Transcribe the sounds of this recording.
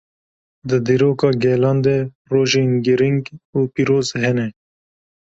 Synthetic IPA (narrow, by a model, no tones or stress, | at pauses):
d̪əd̪iɾoːkɑːɡeːlɑːnd̪e | ɾoːʒinɡiɾiŋɡupiɾoːzɦɛneː